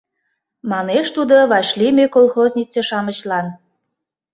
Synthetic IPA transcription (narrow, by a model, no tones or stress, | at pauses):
mɑneʃt̪ud̪oβɑɕlimekolˠxozʲnʲit͡seʃɑməɕlɑn